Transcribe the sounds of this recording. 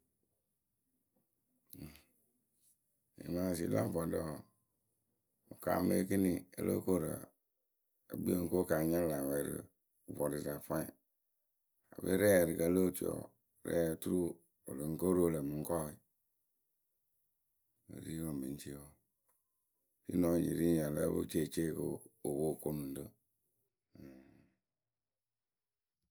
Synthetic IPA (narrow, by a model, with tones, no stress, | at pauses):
ḭ˨mã˦˨s̬ḭ˨˦la̰˦˨bɔ˨dɔ˨˦˨ | o˨ka̰˨mḛ˦ki˦ni˨e˨lo̰˦ko˦˨ɾa̰˨ | ḛ˨bi˦o˦˨ŋ̩˦ko˦ka˨ɲã˦la˨wɛ˨ɾḭ˨ | vɔ˨di˨za˨fã˦i˨ | a˨bḛ˦ɾɛ˦˨ɾi˨ka˨˦lo˦t͡ʃḭ˨ɔ̰˨ | ɾɛ̰˦˨tu˦ɾu˦˨ | o˨lə˨ŋ̩˦ko˦ɾo˦˨le˨mu˨ŋ̩˦kɔ˦i˨ | o̰˨ɾi˦wo˨me˨n˦t͡ʃi˦wo˦ | fḭ˦nɔ˨ɲḭ˨ɾi˦ɲ˨a˨la̰˦bo̰˦t͡ʃe˦˨t͡ʃe˦˨ko̰˦o˨bo˦˨ko˦nũ˨n˦də˦˨